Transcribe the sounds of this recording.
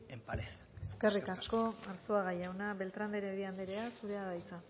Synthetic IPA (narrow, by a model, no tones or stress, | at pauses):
empaɾe | eske̞rikasko̞aɾsoaɣajawnaβe̞lt̪ɾand̪eɾeɾiand̪eɾeasuɾe̞aðajt͡sa